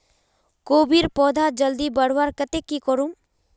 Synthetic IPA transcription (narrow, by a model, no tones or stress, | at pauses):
koːbiɾpɔːd̪ʱad͡ʒəld̪ibəɽ̤waɾkət̪ekːikɔɾũ